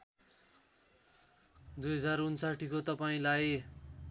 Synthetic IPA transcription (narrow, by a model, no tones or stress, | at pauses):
d̪ujɦʌd͡zarunsaʈʰikot̪ʌpaĩlaj